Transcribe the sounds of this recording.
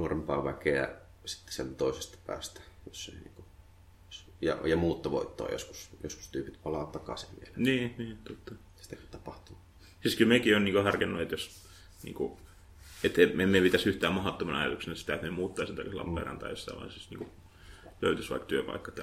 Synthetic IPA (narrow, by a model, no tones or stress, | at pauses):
nuorempɑ̰ːʋækeæ̰ | si̥t̪ːe̥sielt̪æt̪oisest̪ɑ̥pæ̰ːst̪æ̥josːḛˑinḭːŋku | sjɑ̰jɑmuːt̪ːɑʋo̰it̪ːo̰ːjo̰sku̥sjosku̥st̪yːpit̪pɑlɑːt̪ɑkɑ̰sḭʋʋḭelniːniːt̪ot̪ːɑ | si̥t̪ækyt̪ɑpɑht̪u | siskylmekionniːkohɑrkenːuet̪jos | nḭːŋku | et̪ememepit̪æsyht̪æːmmɑhot̪ːomɑnɑɑjɑ̰t̪uksenɑsi̥t̪æet̪memuːt̪ːɑisent̪æ̰kːeslɑ̰pːɑ̰ˑrɑ̰nt̪ɑ̰josːɑ̰iʋɑ̰isisnḭːŋku | løˑyt̪ysʋɑ̰ikt̪yøpɑ̰ikːɑt̪